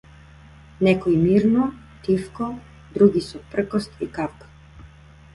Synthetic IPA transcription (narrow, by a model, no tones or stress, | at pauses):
nɛkɔjmiɾnɔ | t̪ifkɔ | d̪ɾuɡisɔpr̩kɔst̪ikafkḁ